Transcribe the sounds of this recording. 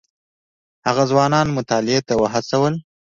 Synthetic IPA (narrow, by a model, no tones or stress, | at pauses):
haɣazwɑnɑnmʊt̪ɑlɪet̪awəɦasawəl